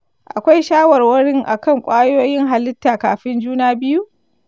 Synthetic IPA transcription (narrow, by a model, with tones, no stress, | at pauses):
ʔa̰˨kʷa˦jʃaː˦wɐ˨rwɐ˦ɽɪ˦ŋʔa̰˨kɐ˦˨ŋkʷʼaː˦joː˦jɪ˦ŋɦa˨lɪ˦tːaː˨kaː˨ɸɪ˦nd͡ʒuː˦naː˦bɪ˦ju˦ʔ